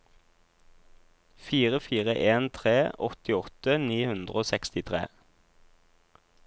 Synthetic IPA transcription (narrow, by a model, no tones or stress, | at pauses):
fiːʁəfiːʁəʔeːnt̪ʰʁeːɔt̪ɪɔt̪əniːhʉnd̪ʁoːsɛkst̪ɪt̪ʰʁḛː